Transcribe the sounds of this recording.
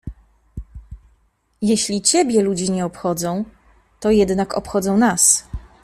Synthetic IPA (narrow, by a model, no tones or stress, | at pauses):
jeɕlʲit͡ɕɛbʲjɛlud͡ʑiɲɛɔpxɔd̪zɔ̃w̃ | t̪ɔjɛd̪nakɔ̰pxɔd̪zɔ̃w̃nas